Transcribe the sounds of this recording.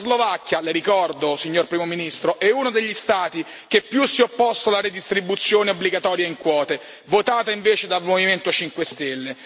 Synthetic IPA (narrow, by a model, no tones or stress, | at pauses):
zlovakːjaleɾikɔrd̪osiɲːorpɾiːmominist̪ɾoʔɛuːnod̪eʎːist̪aːt̪i | k̟epːjusːiopːɔst̪olaɾed̪ist̪ɾibut̪sːjoːneobːliɡat̪ɔːɾjaiŋkwɔːt̪e | vot̪aːt̪aiɱveːt͡ʃed̪almoviment̪ot͡ʃiŋkwest̪elːe